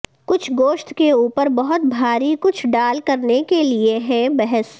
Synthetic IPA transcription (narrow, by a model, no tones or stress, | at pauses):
kʊt͡ʃʰɡoːʃt̪keuːpəɾbɐɦʊt̪̚bʱaːɾikʊt͡ʃʰɖaːlkɐɾnekelieɦɛbɛɦəs